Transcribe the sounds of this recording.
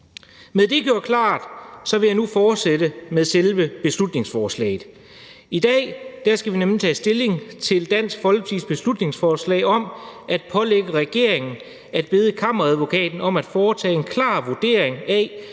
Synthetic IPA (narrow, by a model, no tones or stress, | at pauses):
meðˠd̥e̝ɡ̥jo̝ɐkʰlɑ̰̈ːd̥sɒ̽ʋe̝jɑɪnufɒːd̥sedəmeðˠselʋəb̥e̝slud̥ne̝ŋsfɒːslɛ̰ɪð̩ˠ | id̥ɛ̰ːd̥æɐsɡ̥æʋinemlit͡sʰɛ̰ːsd̥e̝le̝ŋt͡sʰe̝ld̥æn̰sɡ̥fɒ̽lɡ̥t͡sʰisb̥e̝slud̥ne̝ŋsfɒːslɛ̰ɪɒ̽mʔæd̥̚pʰɒ̽leɡ̥əʁɛɡ̥e̝ɐ̰e̝ŋn̩ | æd̥̚b̥e̝ð̞ˠəkʰɑ̈mɐʁæðˠʋo̝kʰɛ̰ːd̥n̩ɒ̽mæd̥fɒːt͡sʰɛ̰ːe̝nkʰlɑ̈ːʋod̥e̝̰ːɐ̰eŋæ